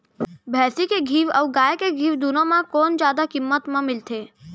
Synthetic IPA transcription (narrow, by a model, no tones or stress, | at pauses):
bʱɛːsikeɡʱiːʋɐʋɡaːjkeɡʱiːʋd̪unmãkoːnd͡ʒjaːd̪akɪmːət̪mãmɪlt̪ʰeː